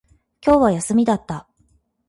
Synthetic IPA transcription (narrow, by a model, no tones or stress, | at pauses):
kʲo̞ːβajasɨmʲid̪at̪ːa